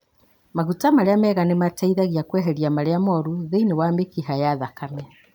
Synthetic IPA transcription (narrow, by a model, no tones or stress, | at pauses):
maɣutamaɾeamɛːɣanemataiðaɣiakwɛɦɛɾiamaɾeamɔɾuðeinewamekiɦajaðakamɛ